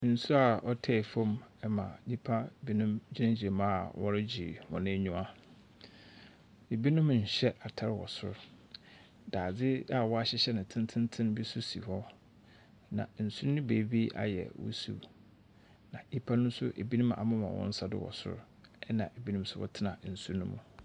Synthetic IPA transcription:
n̩˨su˦a˨ɔ˦tʰɛ˦˨fɔ̃˦mɛ˦mã̰˨di˦pʰa˦bi˦nʊ̃˦md͡ʑi˦nã˦d͡ʑi˨e˨mã˦˨wɔ˦ɾɪ˦d͡ʑi˨wɔ̰̃˨nɪ̃˦ɲũ˦ã˦ | e˨bi˦nʊ̃˦m˨ɲ̩˨ɕɛ˦ʔa˨tʰa˦ɾɪ˦wɔ̰˨sʊ̰˦ɾ | d̥aː˨d͡zɪ˦a˨wɔ˦a˦ɕɪ˦ɕɛ˦nɪ̃˨tʰɪ̃˦ntʰɪ̃˦ntʰɪ̃˦n˦bi˦su˦si˨hɔ˦ | nã̰˨n̩˨su˦ɾnʊ̃˦be˨bi˦ʔa̰˨jɛ̰˨wʊ̰˦sṵ˦˨ | nã̰˨i˦pʰa˦nʊ̃˦m˦sʊ˦ʔe˨bi˦nũ˦ma̰˨mʊ̃˦mã̰˨wʔɔ̰̃˦n̩˦sa˦dɪ̰˦wɔ̰˨sʊ̰˦ɾ | ɛ˦nã̰˨e˨bi˦nũ˦m˦sʊ˦wɔ̰˦tʰɪ˦nã˨n̩˨su˦ɾnũ˦mṵ̃˨

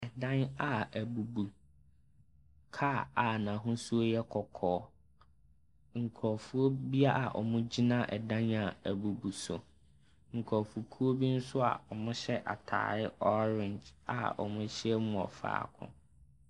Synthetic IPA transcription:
ɛ˨dã˦na˨æ˨bu˨bu˨ | kʰa˦a˨nã˨ɦʊ̃˦su˦o˦jɛ˦kʰɔ˨kʰɔː˨˦ | ŋ̩˨kʰɔ˨fu˦o˦bi˦a˦a˨ʔɔ̰˨mʊ̃˦d͡ʑi˦nã˦ʔɛ˨dã˦na˨æ˨bu˨bu˨sʊ̰˨ | ŋ̩˨kʰɔ˨fu˨kʰu˦o˦bi˦n̩˦sʊ˦a̰˨ɔ˨mʊ̃˦ɕɛ˦ʔa̰˨tʰa̰ː˨ɾɪ˦ɔ˦ɾɪ̃˨nd͡ʒa̰˨ɔ̰˨mʊ̃˦ɕɪ˦ɛ˦mʊ̃˨ɔ̰˨fa̰ː˨˦kʰʊ̰̃˦

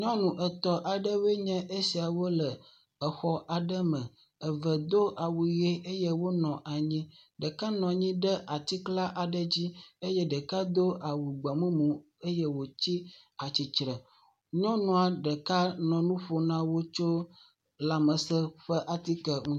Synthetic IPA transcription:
ɲɔ̃˦nũ˨ʔə˨t̪ɔ˨ʔa˨ɖə˦we˦ɲɛ̃˦ʔe˦si˨a˨wo˦lə˨ | ə˨xɔ˦ʔa˨ɖə˦mə̃˨ | ə˨və˨d̪o˦ʔa˨wu˨je˦ʔe˦je˦wo˦nɔ̃˨ʔa˨ɲĩ˦ɖə˨ka˦nɔ̃˨ɲĩ˦ɖə˦ʔa˨t̪i˦kla˦ʔa˨ɖə˦d͡ʑi˦e˦jɛ˦ɖə˨ka˦d̪o˦ʔa˨wu˨ɡ͡bɛ˨mũ˦mũ˨ | e˦jɛ˦wo˨t͡ɕi˦ | a˨t͡ɕi˨t͡ʃɾɛ˨ | ɲɔ̃˦nũ˨a˨ɖə˨ka˦nɔ̃˨nũ˦ɸo˦nã˦wo˦t͡ʃo˦ | la˨mə˨sə˦ɸə˦ʔa˨t̪i˦kə˨ŋũ˦

